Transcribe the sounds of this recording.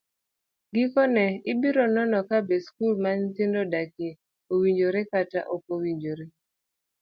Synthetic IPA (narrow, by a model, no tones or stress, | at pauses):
ɡɪkɔnɛɪbiɾɔnɔnɔkabeskulmant̪ɪndodake | owiɲd͡ʒoɾekata̰ʔopowiɲd͡ʒoɾe